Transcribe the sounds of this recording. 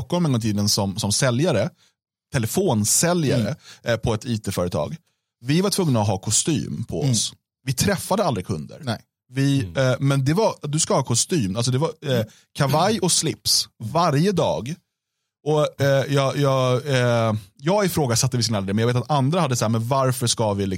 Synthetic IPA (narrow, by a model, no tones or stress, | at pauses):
kɔmɛnɡɔŋt̪ʰiːd̪ənsɔmsɔmsɛljaɾə | t̪ʰɛlɛfoːnsɛlja̰ɾə̰pʰɔɛt̪ʰiːt̪ʰeːfœːɾət̪ʰɑ̰ːɡ | vɪvaʈʰvɵŋːnaɔɦɑːkʰɔst̪y̰ːmpʰɔɔ̰s | vɪt̪ʰɾɛfːad̪əald̪ɾɪkʰɵ̰nd̪ə̰ɾ | vɪmɛnd̪ɛvaɾd̪ɵskahɑːkʰɔst̪yːmalsɔd̪ɛva | kʰavajɔslɪpsvaɾjəd̪ɑ̰ːɡ | ɔjɑjɑː | jɑːɡɪfɾoːɡasat̪ːəvɪsknɛlːad̪ɛmɛjɑveːt̪at̪and̪ɾahad̪ːəsaɦæɾmɛnvaɾfœʂkavɪlɪ